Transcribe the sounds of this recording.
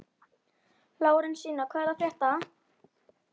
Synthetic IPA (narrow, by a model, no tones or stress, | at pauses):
laːwɾɪnsiːnakʰvɛɾðafjɛht̪a